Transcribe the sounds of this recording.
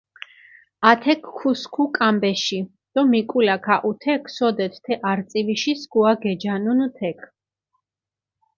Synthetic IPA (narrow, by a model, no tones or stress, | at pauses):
at̪ʰɛkʰːuskʰukʼambɛʃi | d̪̥ɔmikʼulakʰaʔut̪ʰɛkʰsɔd̪ɛt̪ʰt̪ʰɛʔaɾt̪sʼiviʃiskuaɡɛd͡ʒanunt̪ʰɛkʰ